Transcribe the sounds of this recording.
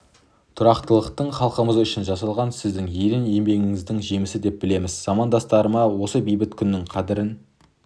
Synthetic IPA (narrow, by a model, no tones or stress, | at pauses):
t̪ʰʊɾɑqt̪əlˠəqt̪əɴχɑlˠqəməzʏʃɪnʒɑsɑlˠʁɑnsɪzd̪ɪŋjeɾɪnje̞mbe̞ŋʲɪŋɪzd̪ɪŋʒejmɪsɪd̪e̞p̚bɪle̞mɪzz̥ɑmɑnd̪ɑst̪ɑɾəmɑwo̞səbijbɪt̪kʲʰʏnːɪŋqʰɑd̪ɪɾɪn